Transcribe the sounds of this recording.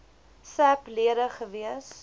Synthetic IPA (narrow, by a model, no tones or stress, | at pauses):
sæpliədəχəviəs